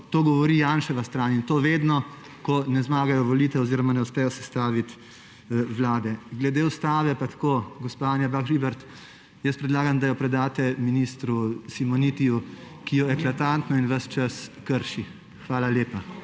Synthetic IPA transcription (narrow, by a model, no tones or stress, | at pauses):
t̪oːɡɔʋɔɾiːjanʃɛʋast̪ɾaːnint̪oːʋeːd̪nɔ | kɔnɛzmaːɡajɔʋɔliːt̪ɛɔziːɾɔmanɛuspɛjɔsɛst̪aːʋit̪ | ʋlaːd̪ɛɡlɛd̪eːust̪aːʋɛpat̪koːɡɔspaanjabakɾibɛɾt̪ | jəspɾɛd̪laːɡamd̪ajɔpɾɛd̪aːt̪ɛminiːst̪ɾusimɔnit̪iju | kijɔɛklat̪ant̪nɔinʋɐst͡ʃəskəɾʃi | xʋaːlaleːpa